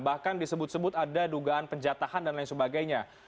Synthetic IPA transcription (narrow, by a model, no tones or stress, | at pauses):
bahkandisəbʊt̪səbʊt̪adaduɡaanpəɲd͡ʒat̪ahandanlaŋsəbaɡajɲa